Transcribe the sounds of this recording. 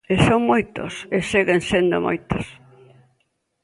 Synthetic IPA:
esoŋmojt̪o̰seseɣensend̪o̰mʔo̰jt̪os

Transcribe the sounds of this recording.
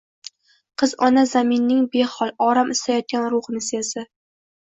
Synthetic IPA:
qʰɨzɒnazamɪnːɪŋbehɒlˠɒɾamʔɪst̪ajɒt̪̚ɡʲanɾʊχnɪsezɪ

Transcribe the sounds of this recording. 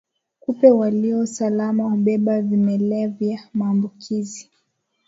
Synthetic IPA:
kupɛwaliɔsalamahuɓɛɓavimɛlɛvjamaːmbukʰizi

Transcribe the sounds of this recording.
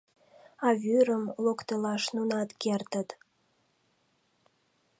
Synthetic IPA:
ɑvyɾəmlokt̪əlɑʃnunɑt̪kʲert̪ə̆t̪

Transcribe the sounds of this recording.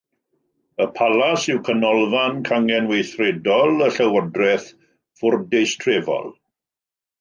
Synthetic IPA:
əpʰalasɪwkʰənɔlˠvankʰaŋɛnwejθrɛdɔlˠəɬəwədrɛθ | fʊrdejstʰrevɔ̰lˠ

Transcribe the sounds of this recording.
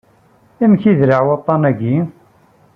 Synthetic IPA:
imçiðɾəʕwət̪ˤːɑnæɡi

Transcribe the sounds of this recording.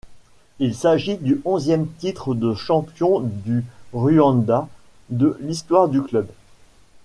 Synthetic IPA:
ilsaʒid̪yʔɔ̃zjɛmt̪it̪χəd̪əʃɑ̃pjɔ̃d̪yʁyɑ̃d̪a | d̪əlist̪waʁd̪yklœb

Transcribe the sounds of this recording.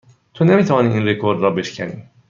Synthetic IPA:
t̪ʰonemiːt̪ævɒːniːʔiːnrekʰoɾd̪ɾɒːbe̞ʃcʰænḭː

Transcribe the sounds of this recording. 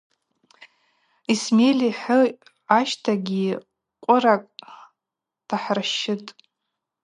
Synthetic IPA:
ismelʲiħʊ | aʃtʰaɡʲi | qʷʼʊɾakʼ | d̥aħrɨʃːɪtʼ

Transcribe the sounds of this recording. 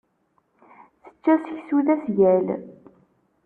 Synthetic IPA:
θə̥t͡ʃːæsəçsuðæsjæl

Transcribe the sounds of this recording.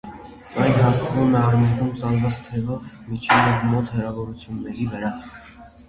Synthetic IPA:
ɑjnɦɑst͡sʰəvumɛɑrmɛɡumt͡sɑnvɑt͡st̪ʰɛvɔv | mit͡ʃʰɛvɛvmɔt̪hərɑvɔɾut͡sʰjunːɛɾivəɾɑ

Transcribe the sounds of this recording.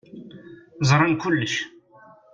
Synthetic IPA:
zˤɾˤənkʊlːəʃ

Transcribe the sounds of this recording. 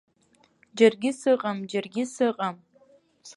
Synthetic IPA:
d͡ʒarɡʲɪsɨqʼamd͡ʒarɡʲɪsɨqʼam

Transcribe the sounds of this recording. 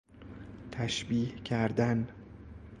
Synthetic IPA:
t̪ʰæʃbiːhcʰæɾd̪æn

